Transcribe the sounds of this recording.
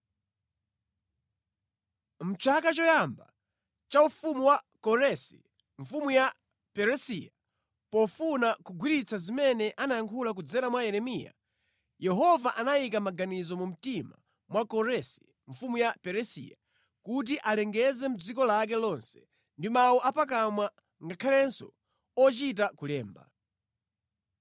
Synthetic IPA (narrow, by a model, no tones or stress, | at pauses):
m̩t͡ʃʰakat͡ʃɔjamba̰ | t͡ʃaufumuwakɔɾɛsḭ | ɱ̩fumuja | pɛɾɛsija | pɔfunakuɡwiɾit͡sʰazimɛnɛʔanajaŋkʰulak̬ud͡zɛɾamwajɛɾɛmija̰ | jɛɦɔvaʔanaik̬amaɡanizɔmum̩tima̰ | mwakɔɾɛsi̥ | ɱfumujapɛɾɛsḭja̰ | kut̬iʔalɛŋɡɛzɛm̩d͡zikɔlak̬ɛlɔnsɛ̥ | ndimawɔʔapak̬amwa | ŋɡakʰalɛnsɔ | ɔt͡ʃit̬akulɛːmba̰